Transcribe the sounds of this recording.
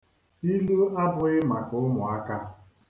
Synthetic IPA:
i˦lu˦a˦bʊ˦ɪ˦ma˨kʊ˦mʊ˨a˦ka˦

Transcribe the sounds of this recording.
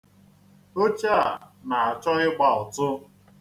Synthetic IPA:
o˦t͡ʃa˦a˨na˨a˨t͡ʃɔ˦ɣɪ˦ɡ͡ba˨ʊ˨tʊ˦

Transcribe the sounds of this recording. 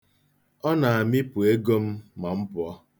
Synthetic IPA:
ɔ˦na˨a˨mi˦pʊ˨e˦ɡo˦m̩˦ma˨m̩˦pʊ˨˦ɔ˦

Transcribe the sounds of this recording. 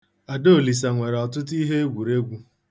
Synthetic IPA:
a˨do˦˨li˨s̬a˨ŋʷe˨ɾɔ˨tʊ˦ti˦ɦe˦e˦ɡʷu˨ɾe˦ɡʷu˦

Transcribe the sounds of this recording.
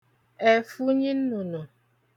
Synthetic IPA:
e˨fu˦ɲi˦n̩˦nu˨nu˨

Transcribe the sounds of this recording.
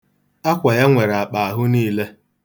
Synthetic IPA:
a˦kʷa˨ja˦ŋʷe˨ɾa˨k͡pa˨a˨ɦʊ˦niː˦le˦

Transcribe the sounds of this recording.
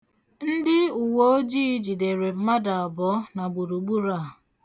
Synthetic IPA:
n̩˦dɪ˦u˨wo˦o˦d͡ʒiː˦d͡ʒi˨de˨ɾe˨m̩˦ma˦da˨a˨bɔ˦na˨ɡ͡bu˨ɾu˨ɡ͡bu˦ɾa˦˨

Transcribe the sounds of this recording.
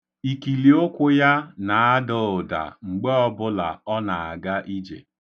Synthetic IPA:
i˨ki˨li˨o˦kʷʊ˦ja˦na˨a˦do˨ʊ˨da̰˨ŋ͡m̩˨ɡ͡be˦ɔ˦bʊ˦la̰˨ɔ˦na˨a˨ɡa˦ʔi˦d͡ʒḛ˨

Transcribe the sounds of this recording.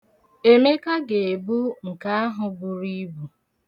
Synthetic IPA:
e˦me˦ka˦ɡe˨e˨bu˦ŋ̩˨ka˦a˦ɦʊ˨bu˨ɾi˦bu˨

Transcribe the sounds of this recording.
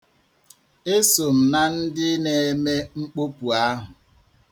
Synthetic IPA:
e˦so˨m̩˨na˨n̩˦dɪ˦ne˨e˦me˦ŋ͡m̩˦k͡po˦pu˨a˦ɦʊ˨

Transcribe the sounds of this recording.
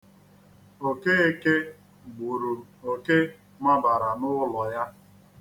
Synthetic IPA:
o˨ke˦e˦ke˦ | ɡ͡bu˨ɾu˨ | o˨ke˦ | ma˦ba˨ɾa˨nʊ˦lɔ˨ja˦

